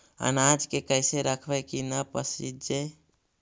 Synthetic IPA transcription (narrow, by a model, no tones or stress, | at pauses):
ə̰nad͡ʒkekəɪseɾəkʰbəkinəpəsḭd͡ʒe